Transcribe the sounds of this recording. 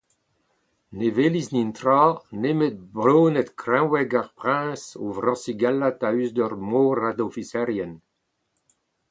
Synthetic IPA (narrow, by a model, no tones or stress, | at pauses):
neveliznint̪ɾaːnemet̪̚bʁoːnɛt̪kɾɛ̃wɛɡaʁpʁɛ̃ːso̰vʁɑ̃siɡalat̪ayzd̪œʁmoːɾad̪ofisɛʁjɛn